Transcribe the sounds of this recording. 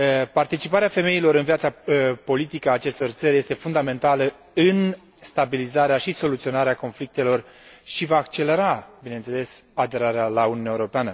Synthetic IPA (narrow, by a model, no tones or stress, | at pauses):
part̪it͡ʃipaɾeafe̞me̞ilo̞ɾɨnvjat̪sapo̞lit̪ikəaːt͡ʃe̞st̪o̞rt̪səɾje̞st̪e̞fund̪ame̞nt̪alə | ɨn | st̪abilizaɾeaʃiso̞lut̪sio̞naɾeako̞nflik̚t̪e̞lo̞r | ʃivaːk̚t͡ʃe̞le̞ɾabine̞nt̪se̞le̞sad̪e̞ɾaɾealaununaeuɾo̞peanə